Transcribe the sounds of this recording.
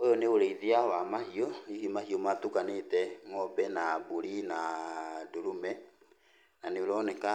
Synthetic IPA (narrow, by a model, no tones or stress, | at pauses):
ojɔneoɾeiðeawamahiɔihomahiɔmatukanetɛŋɔbɛnaboɾinadoɾumɛ | naneoɾɔːnɛka